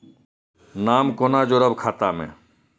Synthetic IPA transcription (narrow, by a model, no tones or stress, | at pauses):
naːmkoːnad͡ʒoːɾəbkʰaːt̪amḛ̃ː